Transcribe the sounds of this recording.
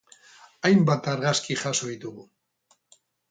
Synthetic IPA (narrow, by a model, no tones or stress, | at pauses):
ajmbat̪aɾɣaskiʝaso̞ðit̪uɣu